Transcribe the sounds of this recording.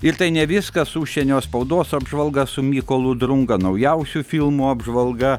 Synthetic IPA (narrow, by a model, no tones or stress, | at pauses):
ɪɾt̪ɐɪnʲɛʋʲɪskɐsuːʃʲsʲɛnʲoːspɐʊd̪oːsɐbʒʋɐlˠɡɐsʊmʲiːkoːlˠʊd̪ɾʊŋɡɐnɐʊjɛʊsʲufʲilˠmuɐbʒʋɐlˠɡɐ